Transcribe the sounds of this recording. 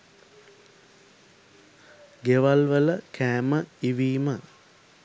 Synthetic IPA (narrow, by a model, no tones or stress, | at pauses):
ɡeʋalʋələkʰæːməiʋiːmə